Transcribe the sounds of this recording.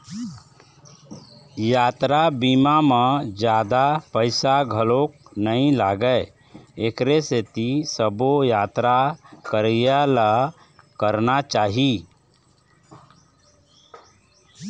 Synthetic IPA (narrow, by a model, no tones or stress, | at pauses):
jaːt̪ɾabiːmamẽd͡ʒjaːd̪apəɪsaɡʱəlok̚nəĩlaːɡə | ekɾeset̪isəbojaːt̪ɾakəɾjala | kəɾnat͡ʃaːɦi